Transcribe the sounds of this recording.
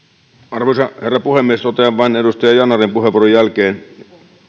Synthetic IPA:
ɑrʋoisɑherːɑpuhemːiest̪ot̪eɑʋʋɑinedust̪ɑjɑjɑnɑrimpuheʋˑuːrojælkeːn

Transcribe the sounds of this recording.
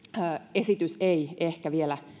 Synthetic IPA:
øːesit̪yseiehkæʋielæ

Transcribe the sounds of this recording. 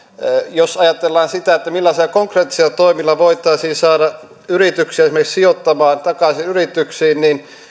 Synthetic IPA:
josɑjɑt̪elːɑːnsit̪æet̪ːæmilːɑselːɑkoŋkreːt̪ːi̥selːɑt̪oimilːɑʋoit̪ˑɑˑisiːnsɑːɾɑ | yrit̪yksiæsimːekssiot̪ːɑmɑːnt̪ɑkɑsinyrit̪yksiːnnin

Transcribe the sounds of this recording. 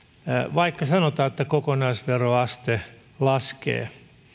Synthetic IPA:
ʋɑikːɑsɑnot̪ɑːet̪ːækokonɑisʋeroɑst̪e | lɑskḛː

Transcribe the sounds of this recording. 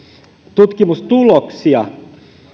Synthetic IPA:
t̪ut̪kimust̪uloksiɑ̰

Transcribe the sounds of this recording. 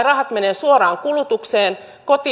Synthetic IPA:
rɑɦɑt̪meneːsuoɾɑːŋkulut̪ukseːn | kot̪iː

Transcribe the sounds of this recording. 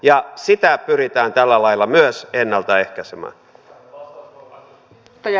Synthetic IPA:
jɑsit̪æpyrit̪æːnt̪ælːælɑilːˑɑmyøsenːælt̪ɑehkæsemæ̰ː

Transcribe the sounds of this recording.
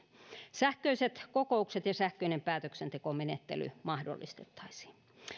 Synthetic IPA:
sæhkøiset̪kokoukset̪jɑsæhkøinempæːt̪øksent̪ekomenet̪ːḛly̰mɑhdo̰lːist̪e̥t̪ːɑ̥isi̥ːn

